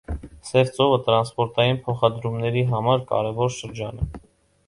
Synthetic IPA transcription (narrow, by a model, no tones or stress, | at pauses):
sɛft͡sɔvət̪ɾɑnspɔɾt̪ɑjinpʰɔχɑd̪ɾumnɛɾiɦɑmɑɾkɑ̰ɾɛvɔɾʃəɾd͡ʒɑnɛ